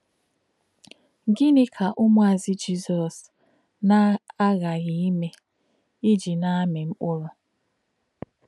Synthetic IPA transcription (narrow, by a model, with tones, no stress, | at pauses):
ɡɪ˦nɪ˦kʰa˨ʔʊ˦mʊ˦a˨zɪ˦d͡ʒi˦zɔ˨s | na˦a˦ɣa˨ɣi˨i˦me˦ | i˦d͡ʒi˨na˦me˨m̩˦k͡pʊ˦ɾɔ˨